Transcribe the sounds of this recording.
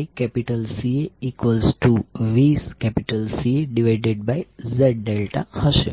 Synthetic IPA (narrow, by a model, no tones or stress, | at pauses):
ikɛpiʈəlsieikʋəlsʈuʋiːskɛpiʈəlsieɖiʋaɪɖeɖ̚bajzɛɖ̚ɖelʈa̰həʃḛ